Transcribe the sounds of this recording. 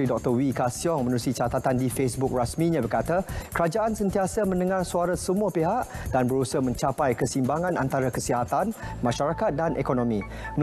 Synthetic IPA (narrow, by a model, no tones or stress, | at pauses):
ɾidɔk̚t̪ɔwikasiɔŋmə̃nɾusit͡ʃat̪at̪andifesbuk̚rasmĩɲãbərkat̪akəɾad͡ʒaʔansənt̪iasamə̃nəŋarsuaɾasəmuapeɦaʔdanbəɾusəmə̃ɲt͡ʃapajkəsimbaŋãnʔa̰nt̪aɾakəsiɦat̪anmãʃaɾakat̪̚danʔekonõmĩ | n